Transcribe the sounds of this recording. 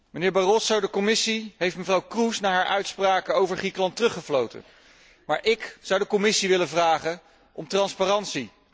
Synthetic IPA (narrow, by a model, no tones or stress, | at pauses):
mənɪːɹbɑrɔsowdəkɔmɪsiɦejftməvrɑwkrusnaːɦaːɹʔœ̰ɥtspraːkəowvəɹχrikəlɑntərɵχəvlowtə̰n | maːɹʔɪkz̥ɑwdəkɔmɪsiʋɪləvraːχə | ʔɔmtrɑnsparɑntsi